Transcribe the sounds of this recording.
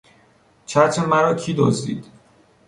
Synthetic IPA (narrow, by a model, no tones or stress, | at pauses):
t͡ʃʰæt̪ʰɾemæɾɒːcʰiːd̪ɒ̰zd̪ḭːd̪̥